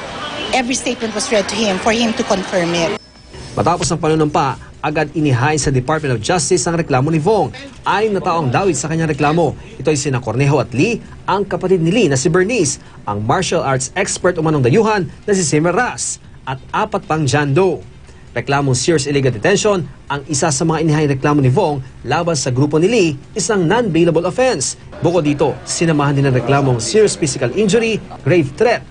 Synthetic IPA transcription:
ʔɛvɹist̪et̪̚mɛ̃nt̪̚wɔsɹɛd̪̚t̪uhɪ̃mfɔɹhɪ̃mt̪ukɔ̃nfɜɹmɪt̪̚ | mʔɐ̰t̪aːposɐŋpɐnonompɐ | ʔɐɡad̪ɪnɪɦaːʔɪnsɐd̪ɪpaɹt̪̚mɛnt̪ofd͡ʒast̪ɪsnɐŋɾɛklaːmo̞nɪvoŋʔaːlɪŋnɐt̪aːʔoŋd̪aːwɪd̪sɐkɐɲːaŋɾɛklaːmo̞ | ʔɪt̪o̞jsɪnɐkoɾnɛɦoʔɐt̪li | ʔɐŋkɐpɐt̪id̪̚nɪlinɐsɪbɛɹnis | ʔɐ̰ŋmaɹʃɐlʔaɹt̪sɛkspɛɹt̪ʊmɐnoŋd̪ɐjuːɦɐnːɐs̬ɪsɛmɛɾas | ʔɐt̪̚ʔaːpɐt̪̚pɐŋd͡ʒand̪ow | ɾɛklaːmoŋsiɹsɪliɡɐld̪ɛt̪ɛnʃo̞nʔɐŋɪsasɐmɐŋaʔɪnɪɦaʔɪnɾɛklaːmo̞nɪvo̞ŋlaːbɐnsɐɡɾuːpo̞nɪliʔɪsaŋnɐnbejlɐboɐlofɛns | bʊkod̪ːiːt̪o̞sɪnɐmaːhɐnd̪inɐŋɾɛklaːmo̞ŋsiɹsfisɪkɐlʔind͡ʒʊɾiɡ̥ɾejvt̪ɾɛt̪̚

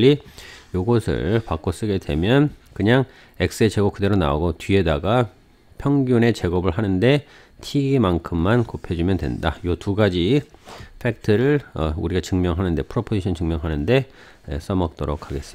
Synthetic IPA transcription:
ijoɡʌsʰɯ̰ɭpak͈os͈ɯɡe̞dwe̞mjʌnkɯɲaŋ | e̞k̚s͈ɯet͡ɕe̞ɡʌkɯde̞ɾona̰oɡotɥie̞daɡa | pʰjʌŋɡjune̞t͡ɕe̞ɡʌbɯɭɦanɯnde̞ | tʰiɡimankʰɯmːankopʰed͡ʑumjʌndwe̞̰ndajotuɡad͡ʑi | pʰe̞k̚tʰɯɾɯɭʌuɾiɡat͡ɕɯŋmjʌŋɦanɯnde̞pʰɯɾopʰod͡ʑʰiɕʰʌnt͡ɕɯŋmjʌŋɦanɯnde̞ | ḛs͈ʌmʌk̚t͈ʌɾokʰaɡe̞s͈ɯm

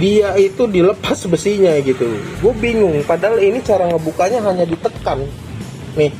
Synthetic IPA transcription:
diait̪udiləpasbəsihɲaɡit̪uɡuabiŋʊŋpadaɦalinit͡ʃaɾaŋəbukaɲaɦaɲadit̪əkan | nɪh

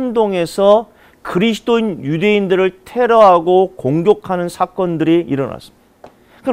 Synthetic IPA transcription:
ndoŋe̞sʰʌ | kɯɾisʰɯ̥t͈oinjude̞indɯɾɯɭtʰe̞ɾʌɦaɡokoŋɡjokʰanɯnsʰak͈ʌndɯɾiḭɾʌ̰na̰s͈ɯ̥mid | kɯ

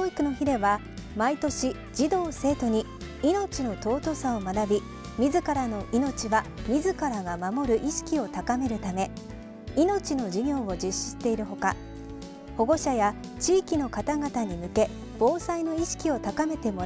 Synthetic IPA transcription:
oːikɯ̟no̞çiɾe̞βa | mait̪o̞ɕi | d͡ʑid̪o̞ːse̞ːt̪o̞ɲ̟i | ino̞t͡ɕino̞t̪o̞ːt̪o̞sao̞manabʲi | mʲizɨkaɾano̞ʔino̞t͡ɕiβamʲizɨkaɾaɡamamo̞ɾɯ̟ʔiɕi̥kʲio̞t̪akame̞ɾɯ̟t̪ame̞ | ino̞t͡ɕino̞ʑiɲʲo̞ːod͡ʑɨɕːi̥ɕt̪e̞iɾɯ̟ɦo̞ka̰ | ho̞ɡo̞ɕaja | t͡ɕiːkʲino̞kat̪aɡat̪aɲ̟imɯ̟ke̞ | b̥o̞ːsaino̞iɕi̥kʲio̞t̪akame̞t̪e̞mo̞

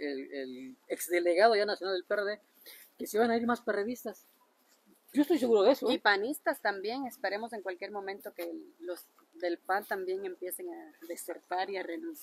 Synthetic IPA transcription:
eeleksd̪e̞le̞ɣaðoʝanasjonald̪elpereðe | kesiβanaiɾmaspereðist̪as | d͡ʒoest̪ojs̬e̞ɣuɾoðesoipanist̪ast̪ambje̞ŋe̞spe̞ɾe̞mo̞se̞ŋkwalkje̞ɾmõ̞mẽnt̪o̞keloz | d̪e̞lpant̪ambje̞ŋe̞mpje̞se̞ŋaðe̞se̞ɾt̪aɾiare̞nuns

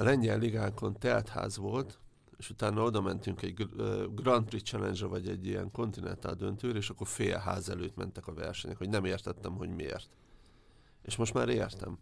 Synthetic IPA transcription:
ɒlɛɲːɛlliɡaːŋko̞nt̪ɛlt̪ha̰ːzʋo̞lt̪ | eːʃut̪aːnːɒo̞d̪ɒmɛnt̪yŋkɛɟɡɡrɒnt̪rit̪t͡ʃɛlɛnd͡ʒrɛvɒɟɛɟːijɛ̰ŋko̞nt̪inɛnt̪a̰ːd̪ø̞nt̪øːɾɛeːʃɒkːorfeːjɛ̰ɦa̰ːzɛløːt̪mɛ̰nt̪ɛkɒvɛ̰rʃɛɲɛkho̞ɟnɛmeːrt̪ɛt̪ːɛmɦo̞̰ɟmiḛːrt̪ | eːʃmo̞ʃt̪ma̰ːɾeːrt̪ɛ̰m

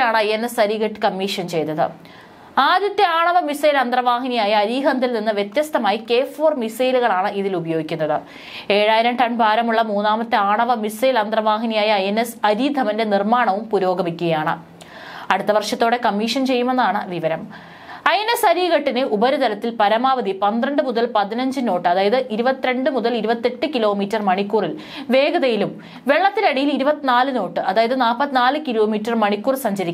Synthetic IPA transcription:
aːɳɨɐjenːesɐɾiːɣɐʈːɨ̥kɐmːiːʂɐnt͡ɕe̞jt̪ːɐðɨ̰ | aːd̪jɐt̪ːjɐaːɳɐʋɐmisɐjlɐnd̪rɐʋaːɦɐnijaːjɐːɾiːɣɐnd̪ʱilninːɨʋjet̪jɐst̪ɐmaːjike̞ːfoːrmisɐjluɣɐɭaːɳɨiðilubɐjo̞ːɡikʲːunːɐðɨ | e̞ːɻaːjiɾɐmʈɐɳbʱaːɾɐmuɭːɐmuːnːaːmɐt̪ːɨaːɳɐʋɐmisɐjlɐnd̪rɐʋaːɦinijaːjɐɐjenːesɐɾiːd̪ʱɐʋinde̞nirmaːɳɐʋumpuɾo̞ːɡɐmikʲːuɣɐjaːɳɨ̰ | ɐɽut̪ːɐʋɐrʂɐt̪ːo̞ːɽe̞kɐmːiːʂɐnt͡ɕe̞jːume̞nːaːɳɨʋiʋɐɾɐm | ɐjenːesɐɾiːɣɐʈːinɨʔubɐɾut̪ɐlɐt̪ːilpɐɾɐmaːʋɐd̪ipɐnd̪rɐɳɖɨmuðɐlpɐðinɐɲd͡ʑɨno̞ːʈːɨɐðaːjɐðɨʔiɾubɐt̪ːiɾe̞ɳɖɨmuðɐliɾubɐt̪ːeʈːɨkilo̞ːmiːtːɐrmɐɳikːuːril | ʋe̞ːɡɐðɐjilum | ʋe̞ɭːɐt̪ːinɐɽijiliɾubɐt̪ːinaːlɨno̞ːʈːɨʔɐðaːjɐðɨnaːpːɐt̪ːinaːlɨkiloːmiːtːɐrmɐɳikːuːrsɐɲd͡ʑɐɾikʲːu

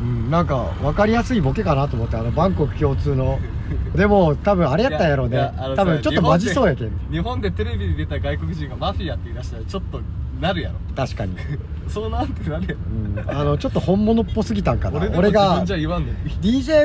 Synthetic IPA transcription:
ɯ̟̃ɴnãŋka̰ | βakaɾʲijasɨibo̞ke̞kanat̪o̞ːmo̞t̪ːeano̞bãŋko̞kɯ̟̥kʲo̞ːt͡sɨːno̞ | d̪e̞mo̞t̪aβɯ̟̃ɰ̃aɾe̞jat̪ːãjaɾo̞ːnet̪abɯ̟̃ɲt͡ɕotːomaʑiso̞ːjakenɲiɦõ̞nd̪e̞t̪eɾe̞bʲiɲid̪e̞t̪aɡaikokɯ̟ʑĩŋɡamaɸʲiat̪ːeiɾaɕi̥t̪aɾat͡ɕo̞t̪ːonaɾɯ̟jaɾot̪aɕi̥kaɲ̟i | soːnãnt̪ːenaɾɯjaɯ̟̃ːano̞t͡ɕo̞t̪ːo̞hõ̞mːo̞no̞pːo̞sɨɡʲit̪ãŋkanoɾe̞ɡad͡ʑaiβãnːod̪ʲiːʑe̞ː

